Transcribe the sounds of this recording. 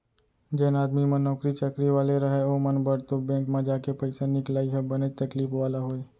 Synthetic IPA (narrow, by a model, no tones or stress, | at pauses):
d͡ʒɛːnaːd̪mimə̃nɔːkɾit͡ʃəkɾiʋaːleɾɐɦeomɐnbɐɽ̤t̪obɛ̃ːŋkmẽd͡ʒaːkepɐɪsanɪklaːiɦɛbɐnet̪ɐkliːfʋaːlaɦoːeː